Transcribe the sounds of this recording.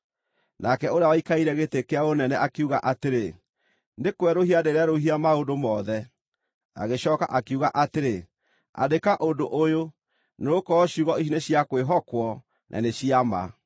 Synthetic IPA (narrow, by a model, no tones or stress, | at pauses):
nakɛoɾjawaikaiɾɛɣetekeaonɛnɛʔakeuɣaʔateɾe | nekwɛɾohiadeɾeaɾoɦiamaondomɔðɛ | a̰ɣeɕɔːka̰ʔakeuɣaʔateɾe | a̰dekaʔondoʔojo | neokɔɕuɣɔiʃineɕjakweɦɔkwɔ | nʔa̰neɕiama̰